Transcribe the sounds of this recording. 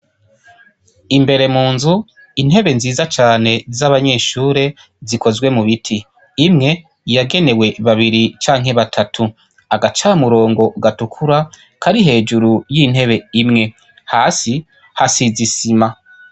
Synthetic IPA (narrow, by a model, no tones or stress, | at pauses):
imbe̞ɾe̞muːnzu | in̥e̞βe̞nziːzat͡ʃaːne̞zaβaɲe̞ːʃuːɾe̞ | ziko̞zwe̞muβitʰiː | mŋe̞ | jaɡe̞ne̞we̞βaβiɾit͡ʃaːŋɦe̞βatʰatʰu | aɡat͡ʃamuɾo̞ːŋɡo̞ɡatukʰuɾa | kʰaɾiɦe̞ːd͡ʒuɾujin̥he̞βe̞imŋe̞ | haːsi | hasizisima